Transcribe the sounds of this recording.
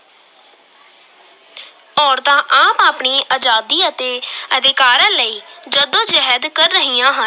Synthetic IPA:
ɔːɾd̪ãːʔaːpaːpɳiːʔaːd͡ʒaːd̪iːət̪eːəd̪ɪkaːɾãːləiːd͡ʒəd̪õːd͡ʒɛɦɛd̪kəɾːəɦiːãːɦən

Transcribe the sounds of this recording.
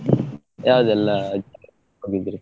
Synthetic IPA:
jaːʋd̪ɛlːɐː | ɦoɡid̪iɾi

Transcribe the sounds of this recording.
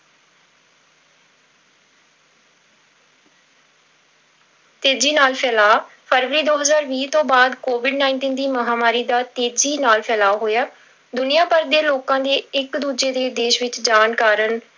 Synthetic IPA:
t̪eːd͡ʒiːnaːlpʰɛːlaː | pʰəɾʋəɾiːd̪oːɦəzaːɾʋiːt̪õːbaːd̪koːʋɪɖnãːɪɳʈiːnd̪iːməɦaːmaːɾiːd̪aːt̪eːd͡ʒiːnaːlpʰɛːlaːɦoːjaː | d̪ʊnijaːpəɾd̪eːloːkãːd̪eːɪkd̪uːd͡ʒeːd̪eːd̪eːʃʋɪt͡ʃd͡ʒaːnkaːɾən

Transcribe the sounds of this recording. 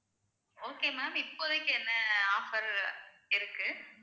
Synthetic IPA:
oːkeːmaːmɪpːoðɐkʲːɯɛnːɐaːfɐɾ | ɪɾɯkːɯ

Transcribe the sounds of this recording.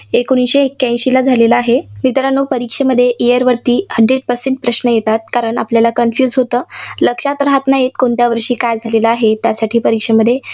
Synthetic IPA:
ekoñiɕeːkːãɕilad͡zʱaleləaɦemit̪əɾanːopəɾikʂeməd̪ʱːjeʔijəɾʋəɾt̪iːhəɳɖɾeɽ̚pəɾseɳʈ̚pɾəɕnəjet̪at̪̚kaɾəɳapljalakənfjuːd͡zɦot̪əːləkʂat̪ɾəɦat̪najet̪̚koɳt̪jaʋəɾʂiːkajd͡zʱaleləaɦet̪jasaʈʰiːpəɾikʂeməd̪ʱːje

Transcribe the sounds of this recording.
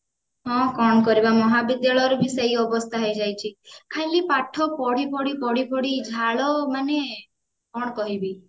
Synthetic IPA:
ɦɔ̃kɔɳ̃kɔɾibamɔɦabid̪jaɭɔjɾubʱiseiɔbɔst̪ʰaɦɔjd͡ʒajt͡ʃʰikʰajlipaʈʰɔpɔɽipɔɽipɔɽipɔɽid͡ʒʱaɭɔmane | kɔɳ̃kɔɦibi

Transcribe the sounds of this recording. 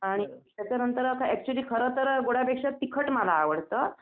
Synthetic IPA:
aɽ̃it̪jat͡ɕjanənt̪əɾakʰaɛk̚t͡ɕuəliːkʰəɾət̪əɾɡoɽ̤apekʂat̪ikʰəʈməlaːʋəɽt̪ə

